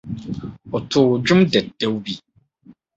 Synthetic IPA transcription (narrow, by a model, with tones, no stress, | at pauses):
ɔ˨tʰʊ˨d͡ʑʊ̃˦mdɛ˨t̚dɛ˦wbi˦